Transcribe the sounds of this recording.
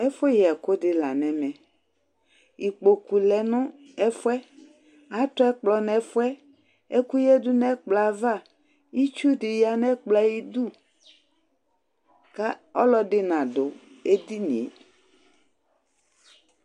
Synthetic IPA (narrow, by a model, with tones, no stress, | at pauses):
e˦fo˦jɛ˨ko˦dɪ˨la˨nɛ̃˨mɛ̃˨ | i˨k͡po˨ku˨lɛ˨nʊ̃˦ | ɛ˦fʊ˦ɛ˦ | a˨˦t̪ɔ˦ɛ˦k͡plɔ˨nɛ̃˨˦fo˦ɛ˦ | e˦ku˦jɛ˦du˦nɛ̃˦k͡pla˨va˦˨ | i˦t͡ʃu˦dɪ˨ja˨nɛ̃˦k͡pla˦ji˦du˦ | ka˦ɔ˦lɔ˦dɪ˦nã˨do˨ | e˦d̪i˦nḭ̃˨˦